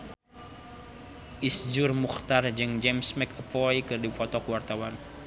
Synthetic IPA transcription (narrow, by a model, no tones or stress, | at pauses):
ʔisd͡ʒurmuxt̪ard͡ʒɨŋd͡ʒɛmsmɛkəpɔjkɨrdifɔt̪ɔkuwart̪awan